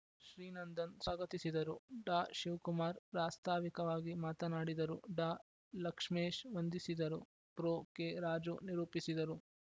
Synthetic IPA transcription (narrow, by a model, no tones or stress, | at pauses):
ʃɾiːnɐnd̪ɐnsaːɡɐt̪isid̪ɐɾuɖaːʃiʋkumaːɾpɾaːst̪ʰaːʋikɐʋaːɡimaːt̪ɐnaːɽid̪ɐɾuɖaː | lɐkʂmeːʃʋɐnd̪isid̪ɐɾu | pɾoːkeɾaːd͡ʒuniɾuːpisid̪ɐɾu